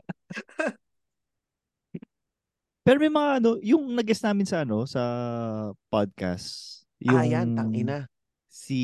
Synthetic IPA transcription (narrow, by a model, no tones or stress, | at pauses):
pɛːɾomɛjmɐŋaʔɐno̞jʊŋnɐɡʔɛsnaːmɪnsɐʔɐno̞sɐ | pad̪̚ka̰st | jʊŋjant̪ɐŋʔɪna | si